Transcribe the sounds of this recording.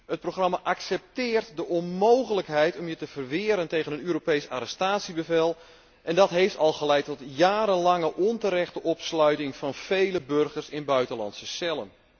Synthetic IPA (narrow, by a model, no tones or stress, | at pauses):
ət̚proxrɑmaʔaksɛp̚tɪːrtdəʔɔnmowχələkɦɛjtɔmjətəvərʋɪːɾəntejɣənənyːɾopejsa̰ːɾɛstaːtsibəvɛlˠ | ʔɛndɑtɦejftʰɑlˠχəlɛjtɔtjaːɾənlɑŋəʔontəɾɛxtəʔɔpslœɥtɪŋfɑnfejləbørɣərsɪnbœɥtənlɑ̰nsəsɛlˠən